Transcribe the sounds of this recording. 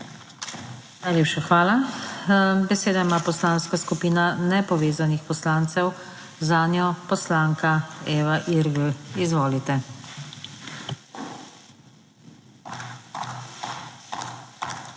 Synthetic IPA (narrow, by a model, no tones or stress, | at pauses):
najlʲjeːpʃaxʋaːla | bɛseːd̪aimaːpɔslaːnskaskupiːnanɛpɔʋeːzanixpɔslaːnt̪sɛw | zanjɔpɔslaːŋkaeːʋaʔiɾɡl̩izʋoːlit̪ɛ